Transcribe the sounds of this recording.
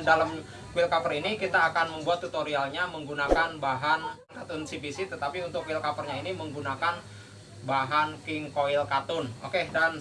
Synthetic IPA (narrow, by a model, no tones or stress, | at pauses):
dalam | kuɪlkapərinikit̪aːkanməmbuat̪ːut̪oɾialɲaməŋɡunakanbaɦan | kat̪ʊnsipisit̪ət̪apiunt̪ʊkuɪlkafərɲainiməŋɡunakan | baɦankɪŋkoɪlkat̪ʊno̰kedan